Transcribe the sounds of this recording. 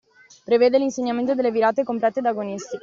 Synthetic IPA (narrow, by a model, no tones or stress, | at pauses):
pɾeveːd̪elinseɲːament̪̬od̪elːeviɾaːt̪ekomplɛt̪ːed̪aɡonist̪ik